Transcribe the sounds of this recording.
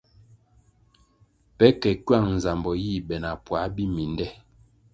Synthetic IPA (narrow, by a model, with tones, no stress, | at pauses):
pɛ˨˦kɛ˨kɥa˦˨ŋn̩˨za˨mbɔ˨ji˦˨bɛ˨na˨pwa˨˦bi˦mi˨ndɛ˦˨